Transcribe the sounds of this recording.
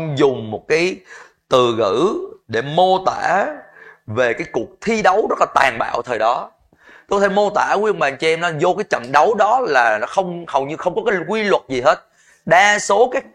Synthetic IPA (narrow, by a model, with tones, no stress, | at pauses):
zʊ˨˩ŋ͡mmo˨˩t̚kaː˨˦j | t̪ɨ˨˩ɣɨ̰˧˩˥ɗe˧˩mo˧t̪aː˧˩ | ve˨˩kaː˨˦jku˨˩ək̚t̪ʰi˧ɗə˨˦wzə˦˥t̚laː˨˩t̪aː˨˩ŋɓa̰ː˧˨wt̪ʰəː˨˩jɗɔ˨˦ | t̪o˧kɔ˧t̪ʰe˧˩mo˧t̪aː˧˩kwʔə˧ŋŋ͡mɓaː˨˩ŋt͡ɕɛ˧mnɔ˨˦zo˧kaː˨˦jt͡ɕə̰˧˨nɗə˨˦wɗɔ˨˦laː˨˩nɔ˨˦xə˧wŋ͡mhə˨˩wɲɨ˧xə˧wŋ͡mkɔ˨˦kaː˨˦jjkwi˧lwə˨˩t̚zi˨˩ɦe˦˥t̚ | ɗaː˧so˨˦kaː˦˥k̚